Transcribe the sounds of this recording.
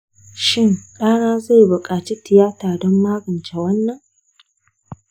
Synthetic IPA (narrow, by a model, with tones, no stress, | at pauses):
ʃɪ˦˨nɗaː˦naː˦za˦˨jbʊ˨kʼaː˨t͡ʃi˦tɪ˨jaː˦taː˨dɔ˦mːaː˦ɡɐ˨nt͡ʃɛ˨wɐ˦nːɐ˨ŋ